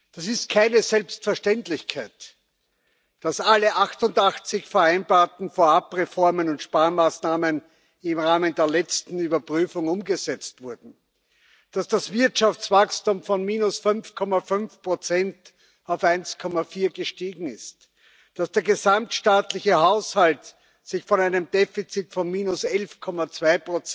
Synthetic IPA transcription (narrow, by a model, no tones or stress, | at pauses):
d̥asɪst̚kʰaɪnəzɛlpstfɛɐʃtɛntlɪçkʰæɪt | d̥asaləʔaxtʊndaxt͡sɪçfɛɐæɪnbaːɐtn̩foːɐapʁefɔɐmənʊntʃpaːɐmaːsnaːmən | ɪmʁaːməndeːɐlɛt͡stn̩yːbɐpʁyːfʊŋʊmɡəzɛt͡stv̥ʊɐdn̩ | d̥asd̥asv̥ɪɐtʃaft͡sv̥akstumfɔnmiːnʊsfʏnfkʰɔmafʏnfpʁ̥ot͡sɛnt | aʊfæɪnskʰɔmafiːɐɡəʃtiːɡŋ̩ɪst | d̥asd̥eːɐɡəzamtʃtaːtlɪçəhaʊshalt | sɪçfɔnæɪnəmdeːfit͡sitfɔnmiːnʊsɛlfkʰɔmat͡sv̥aɪpʁ̥ot͡s